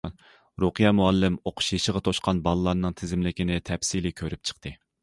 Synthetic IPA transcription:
ɾoqɨjɑmuɑlːɪmoqʰʊ̥ʃjiʃəʁɑt̪ʰoʃqʰɑnbɑlˠɨlˠɑɾnɨŋt̪ʰɪzɪmlɪkʲinɪt̪ʰɛpsilɪkʲʰøɾyp̚t͡ʃʰə̥q̚t̪ʰɨ

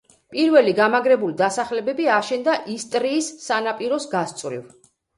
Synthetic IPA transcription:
pʼiɾvɛliɡamaɡɾɛbulid̪asaχlɛbɛbiaʃɛnd̪aʔist̪ʼɾiːsːanapʼiɾɔsɡast̪sʼvɾḭv

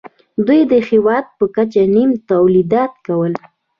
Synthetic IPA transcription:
d̪ujd̪əxɪwɑd̪̚pəkat͡ʃanimt̪awlid̪ɑt̪kawəl

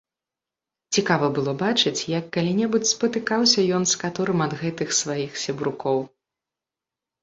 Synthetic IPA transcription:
t͡sʲikavɐbɨlˠɔbat͡ʂɨt͡sʲjɐkːalʲinʲɛbut͡sʲspɐt̪ɨkawsʲɐjɔnskat̪ɔɾɨmɐd̪ɣɛt̪ɨxsvajixsʲɛbɾukɔw

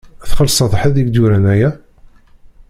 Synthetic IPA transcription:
θχəlsˤɑθˤəħəðiɡd̪uɾænæjæ

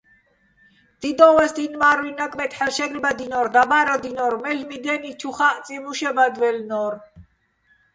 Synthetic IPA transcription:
d̪̥id̪ɔwɛsd̪inmaɾuinːakʼmɛt̪ʰħɛlʃɛɡɾibad̪inɔɾd̪abaɾɔd̪inɔɾmɛlmid̪ɛnit͡ʃʰuχaʔ̪t͡s̪ʼimuʃɛbad̪vɛlnɔɾ

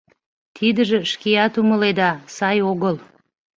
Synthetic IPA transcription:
t̪ʰid̪ə̆ʒɘ̆ʃkʲijɑt̪umə̆lˠed̪ɑsɑjoɣəlˠ

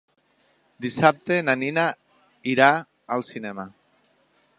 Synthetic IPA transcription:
d̪isap̚t̪enanina | iɾaː | lsinema

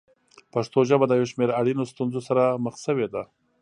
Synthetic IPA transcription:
paʂt̪oʒəbad̪əjawʃmeɾaɽinost̪unzosaɾaməxsəwed̪a

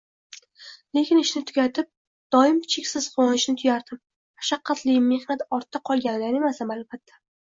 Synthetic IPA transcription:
le̞kʲɪnɪʃnɪt̪ʰʊɡʲat̪ʰɪp̚ | d̪̥ɒɪmt͡ʃʰekʲsɪz̥qwɒnɪʃnɪt̪ʰʊjaɾd̪ɪp̚ | mʰaʃaqʰːɑt̪ʰlɪjmːe̞hnat̪ɒɾt̪ʰːaqʰɒlˠɡʲanɪd̪anemasamalfat̪ʰːḁ

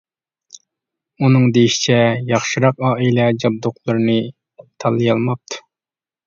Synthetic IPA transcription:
unɨŋd̪ejiʃi̥t͡ʃʰɛjɑχʃɨɾɑqɑːilɛd͡ʒɑb̚d̪oqlˠɨɾɨnɨ | t̪ʰɑlˠːɨjɑlˠmɑp̚t̪ʰu̥

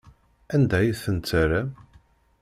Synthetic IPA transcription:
ænd̪æjəθənt͡s̪ːəɾæ

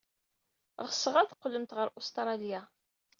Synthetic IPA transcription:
ʁəsəʁæθqːəlːəmt̪ʁəɾʔust̪ɾˤɑlija

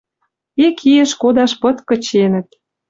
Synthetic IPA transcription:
ekʰijə̆ʃkod̪ɑʃpɤ̆t̪kə̆t͡ɕenə̆t̪̚

